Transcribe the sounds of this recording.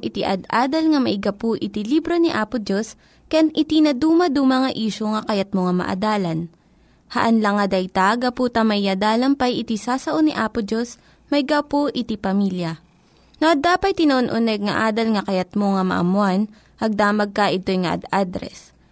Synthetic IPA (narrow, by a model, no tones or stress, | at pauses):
ʔɪt̪iʔɐd̪ʔaːd̪ɐlŋɐmɐʔɪɡɐpoʔɪt̪ilibɾo̞niʔaːpʊd͡ʒos | kɐjanʔɪt̪inɐd̪uːmɐd̪umɐŋɐʔiːʃoŋɐkɐjat̪̚moŋɐmɐ̰ʔɐ̰d̪aːlɐn | hɐʔɐnlɐŋːɐd̪ɐjt̪aɡɐpuːt̪ɐmɐʔɪjɐd̪aːlɐmpɐjɪt̪isaːsɐʔoniʔaːpʊd͡ʒos | mɐʔɪɡapoʔɪt̪ipɐmiːljɐ | noʔɐd̪aːpɐjt̪ɪnɐʔonʔʊnɛɡ̚ŋɐ̰ʔaːd̪ɐlŋɐkɐjɐt̪̚moŋɐmɐ̰ʔɐ̰mʊan | ʔɐɡ̚d̪aːmɐɡ̚kɐʔɪt̪o̞jŋɐʔɐ̰d̪ad̪ɾɛ̰s